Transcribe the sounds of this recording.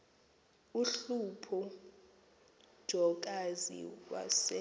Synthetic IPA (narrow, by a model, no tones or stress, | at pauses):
uɬupʰɔ | d̥ʒ̥ʱɔk̬ʼazḭwa̰sɛ